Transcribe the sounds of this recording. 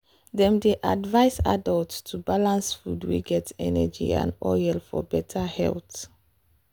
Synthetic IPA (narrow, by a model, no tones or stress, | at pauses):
dɛ̃mdeʔadvaɪsadəlttʰubalãnsfudwḭɡɛtɛ̰nɛd͡ʒḭã̰nɔjɛlfɔ̰bɛtʰəhɛ̰lt